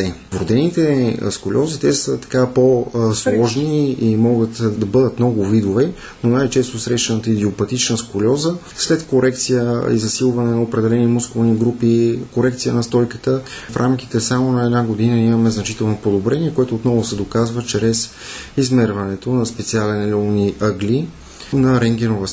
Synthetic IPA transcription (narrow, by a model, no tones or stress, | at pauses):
ɛ | vɾod̪ɛnit̪ɛ̰skolʲʔɔzit̪ɛsət̪ɐ̥kaposlˠɔʒniːmɔɡət̪d̪ɐbɤd̪ət̪mnɔɡʊvid̪ovɛ | nonajt͡ʃɛst̪ʊsɾɛʃɛnət̪əid̪iopɐt̪it͡ʃnəskolʲɔzə | slɛt̪koɾɛkt̪sijəḭzɐsilˠvɐnɛnɐopɾɛd̪ɛlɛnimuskovniɡɾupikoɾɛkt̪sijənɐst̪ɔjkə̥t̪ə | fɾʔamk̟i̥t̪ɛsamonɐɛd̪naɡod̪inəimɐmɛznɐt͡ʃit̪ɛlˠnopod̪obɾɛniɛkoɛt̪ʊːt̪nɔvʊsɛd̪okazvət͡ʃɾɛs | izmɛɾvɐnɛt̪onɐspɛt̪sialɛnlʲɔniʔəɡlʲi | nɐɾɛŋɡʲɛnovəs